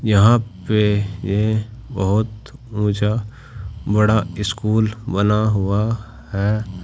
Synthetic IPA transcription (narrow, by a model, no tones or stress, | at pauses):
jɐɦãpejebɐɦʊt̪ũːt͡ʃa | bɐɽaɪskuːlbɐnaɦʊa | hɛː